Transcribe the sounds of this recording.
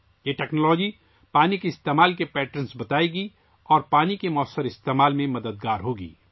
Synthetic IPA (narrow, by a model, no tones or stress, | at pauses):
jeʈɛːknɔlɔːd͡ʒi | paːnikeɪst̪eːmaːlkepɛːʈɾənsbɐt̪aːeɡi | ɔːɾpaːnikemɔəsːəɾɪst̪eːmaːlmẽmɐd̪əd̪̚ɡaːɾɦoːɡḭː